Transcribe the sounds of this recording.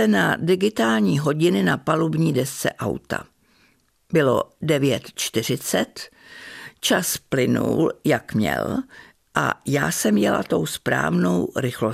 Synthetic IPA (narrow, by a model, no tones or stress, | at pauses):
ɛnadɪɡɪt̪aːlɲiːɦo̞ɟɪnɪnapalubɲiːdɛst͡sɛ̰ʔawt̪a̰ | bɪlo̞̰dɛvjɛt̪t͡ʃt̪ɪr̝ɪt͡sɛt̪ | t͡ʃasplɪnṵːljakmɲɛ̰l | ʔa̰jaːsɛmjɛla̰t̪o̞wspɾa̰ːvnowɾɪxlo̞